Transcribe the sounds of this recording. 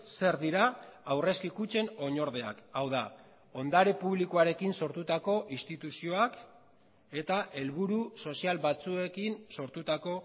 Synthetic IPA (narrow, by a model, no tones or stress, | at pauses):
se̞ɾðiɾaawre̞skikut͡ʃe̞no̞ɲo̞ɾðe̞a̰kawða | o̞nd̪aɾe̞puβlikoaɾe̞kinso̞ɾt̪ut̪ako̞ʔist̪it̪usio̞ak | e̞t̪aʔe̞lβuɾuso̞sialβat͡sue̞kinso̞ɾt̪ut̪ako̞